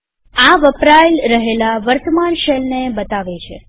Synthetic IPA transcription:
aʋəpɾajlɾəɦelaʋəɾt̪əmanʃelnebət̪aʋet͡ʃʰḛ

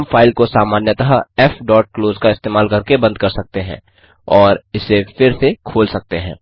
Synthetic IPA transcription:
mfʰaːɪlkosaːmaːnjət̪əɦɛfɖɔːʈ̚kloːzkaɪst̪eːmaːlkɐɾkebɐ̃nd̪̚kɐɾsɐk̚t̪eɦɛ̰̃ː | ɔːɾɪsefɪɾsekʰoːlsɐk̚t̪eɦɛ̰̃ː

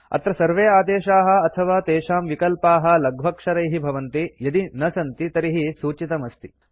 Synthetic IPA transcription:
ɐ̰t̪ɾɐsɐɾʋeːaːd̪eːʃaːɦɐ̆ɐt̪ʰɐʋaːt̪eːʃaːmʋikɐlpaːɦɐ̆lɐɡʱʋɐkʂɐɾɐjɦibʱɐʋɐnt̪ijɐd̪inɐsɐnt̪it̪ɐɾiɦisuːt͡ʃit̪ɐmɐst̪i̥

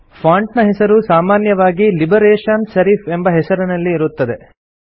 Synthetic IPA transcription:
fʰaːɳʈnɐɦɛsɐɾusaːmaːnjɐʋaːɡilibɐɾeːʂɐnʃɐɾiːfembɐɦɛsɐɾunɐlːiːɾut̪ːɐd̪e̞

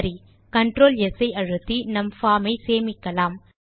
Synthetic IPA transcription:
ɾi | kɐɳʈɾoːlɛsɐɪɐɻɯt̪ːinɐmfaːmɐɪseːmɪkːɐlaːm

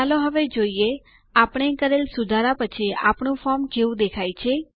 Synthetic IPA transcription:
aloɦəʋed͡ʒoie | apɳ̃ekəɾelsud̪ʱaɾapət͡ʃʰia̰pɳũfɔɾmkeʋũd̪ekʰajt͡ʃʰe

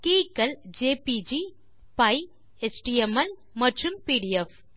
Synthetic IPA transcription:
kikɐld͡ʒeːpid͡ʒi | paj | esʈiemɐl | mɐʈɾumpiːɖijef

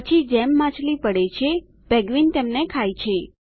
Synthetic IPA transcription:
pət͡ʃʰid͡ʒɛmːãt͡ʃʰlipəɽet͡ʃʰe | bɛɡʋint̪emnekʰajt͡ʃʰe

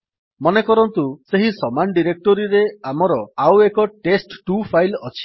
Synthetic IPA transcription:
mɔnekɔɾɔnt̪useɦisɔmanɖiɾek̚ʈɔɾiɾeamɔɾɔawekɔʈesʈːupʰajlɔt͡ʃʰi̥

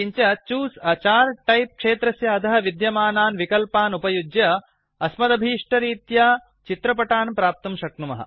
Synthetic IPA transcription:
iɲt͡ʃɐt͡ʃuːsɐt͡ʃaːɾʈɐjp̚kʂeːt̪ɾɐsjɐɐd̪ɐɦɐ̆ʋid̪jɐmaːnaːnʋikɐlpaːnupɐjud͡ʒjɐ | ɐsmɐd̪ɐbʱiːʂʈɐɾiːt̪ja | t͡ʃit̪ɾɐpɐʈaːnpɾaːp̚t̪ɐmʃɐk̚numɐɦɐ̰

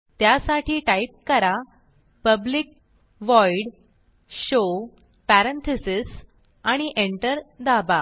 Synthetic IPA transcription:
t̪jasaʈʰiːʈaip̚kəɾa | pəblik̚ | ʋɔiɽ | ɕo | pæɾent̪ʰisis | aɽ̃iʔeɳʈəɾd̪aba

